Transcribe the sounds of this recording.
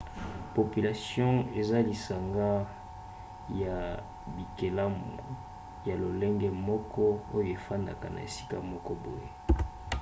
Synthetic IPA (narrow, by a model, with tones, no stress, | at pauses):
po˨pi˨la˨sjɔ̃˦e˨za˦li˨sa˨ŋɡa˦ | ja˨ | bi˨ke˨la˦mu˨ | ja˨lo˨lɛ˦ŋɡɛ˦mɔ˦kɔ˦o˦jo˦˨e˨fa˦nda˨ka˨na̰˨ḛ˨si̥˦ka˦mɔ˦kɔ˦bo˨je˦